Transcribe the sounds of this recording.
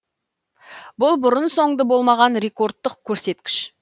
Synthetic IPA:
bʊlˠbʊɾənso̞ɴd̪əbo̞lˠmɑʁɑnɾe̞ko̞ɾt̪ːəqkʲʰɵɾse̞t̪̚kʲɪ̥ʃ

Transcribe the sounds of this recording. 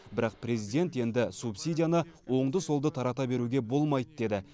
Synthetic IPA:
bɪɾɑq̚pre̞zid̪ʲe̞nt̪je̞nd̪ɪsupsʲijdʲijanəwo̞ɴd̪əso̞lˠd̪ət̪ʰɑɾɑt̪ɑbe̞ɾuɡʲe̞bo̞lˠmɑjt̪əd̪e̞d̪ɪ

